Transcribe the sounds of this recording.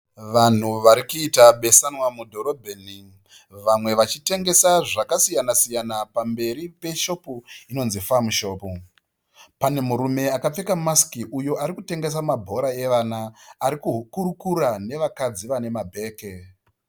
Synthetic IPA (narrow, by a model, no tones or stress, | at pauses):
ʋan̤uʋaɾikuitaɓe̞sanwamudʱo̞ɾo̞bʱeːni | ʋamwe̞ʋat͡ʃite̞ŋɡe̞saʐakasijanasijanapambe̞ɾipe̞ʃo̞puino̞nzifamuʃo̞ːpu | pane̞muɾume̞akap͡fe̞kamaskiʔujo̞aɾikute̞ŋɡe̞s̬amabʱo̞ɾae̞ʋanaːɾikukuɾukurane̞ʋakad͡ziʋane̞mabʱe̞ːke̞